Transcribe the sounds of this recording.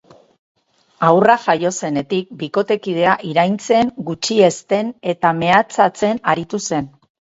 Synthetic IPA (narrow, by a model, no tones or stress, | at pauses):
awraʝajo̞se̞ne̞t̪ik̚biko̞t̪e̞kið̞e̞aʔiɾajnt͡se̞ŋɡut͡ʃie̞st̪e̞ne̞t̪ame̞at͡sat͡se̞naɾit̪use̞n